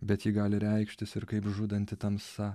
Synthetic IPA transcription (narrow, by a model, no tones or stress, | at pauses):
bʲɛt̪jiːɡɑːlʲɪɾʲɛɪkʃʲt̪ʲɪsɪɾkɐɪpʒud̪ɐnʲt̪ʲɪt̪ɐmsɐ